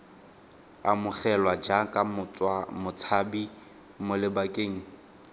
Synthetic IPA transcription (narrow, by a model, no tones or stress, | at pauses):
a̰mʊχʰɛlwad͡ʒakʼamʊt͡sʼwamʊt͡sʰabi | mʊlɪbakʼeːŋ̩